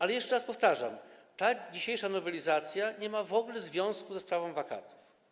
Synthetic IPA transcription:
alɛjɛʂt͡ʂɛɾaspɔft̪aʐa̰mt̪ad͡ʑiɕejʂanɔvɛlʲizat̪sʲjaɲɛmavɔɡlɛzvʲjɔ̃w̃skuzɛspɾavɔ̃w̃vaka̰t̪u̥f

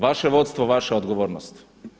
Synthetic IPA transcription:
ʋaʃeʋo̞t̪st̪ʋoʋaʃeod̪ɡoʋo̞ːɾnost̪

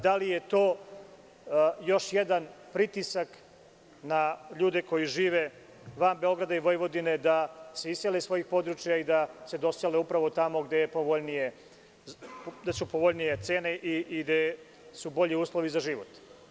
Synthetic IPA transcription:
d̪alije̞t̪o̞ː | jo̞ʃjed̪anpɾit̪isak | naʎuːd̪eko̞jiʒiːʋe̞ | ʋaːmbe̞o̞ɡɾad̪aiʋo̞jʋo̞d̪ine̞d̪aseisselesʋo̞jixpo̞d̪ɾut͡ʃjaid̪ase̞d̪o̞seleupɾaʋo̞t̪amo̞ɡd̪ejepoʋoʎnije | d̪esupoʋo̞ʎnije̞t̪se̞ːneʔiʔiɡd̪e | subo̞ʎiuːslˠo̞ʋizaʒiʋot̪

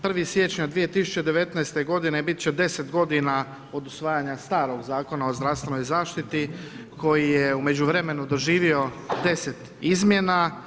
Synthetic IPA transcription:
pr̩ʋisje̞t͡ʃɲad̪ʋije̞t̪isu̥t͡ɕe̞d̪eʋe̞t̪naest̪e̞ɡo̞d̪inebit̪̚t͡ɕed̪e̞se̞t̪ɡo̞d̪ina | o̞d̪usʋaːjaɲast̪aːɾo̞ɡzaːko̞nao̞zd̪ɾafst̪ʋe̞no̞jzaːʃt̪it̪i | kʰo̞jijeume̞d͡ʑuʋɾe̞me̞nud̪o̞ʒiːʋio̞d̪e̞se̞t̪ | izmje̞na

